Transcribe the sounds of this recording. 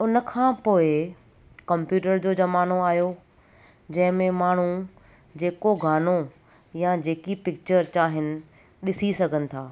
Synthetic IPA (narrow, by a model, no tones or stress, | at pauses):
ʊnəkʰãːpoːɪ | kɐmpjuːʈəɾd͡ʑoːd͡ʑɐmaːnoaːɦjo | d͡ʑɐ̃ɦɪ̃mẽmaːɳ̤ũ | d͡ʑeːkoɡʱaːno | jad͡ʑeːkipɪk̚t͡ɕəɾt͡ɕaːɦɪnɪ̆ | ɗɪsisɐɡʱənɪ̆t̪ʰaː